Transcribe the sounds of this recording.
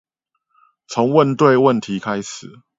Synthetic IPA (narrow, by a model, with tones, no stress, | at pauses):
t͡sʰo˨˦ŋwə˥˨nt̪we˥˨ɪwə˥˨nt̪ʰi˨˦kʰa˦ɪʂɻ̩˨˩˦